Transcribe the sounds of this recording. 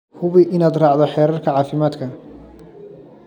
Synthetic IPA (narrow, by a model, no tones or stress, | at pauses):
hʰʊβɪʔɪnaːd̪rɑːʕd̪ɔħɛːɾɐrkʰɐʕɑːfɪmaːd̪kʰɐ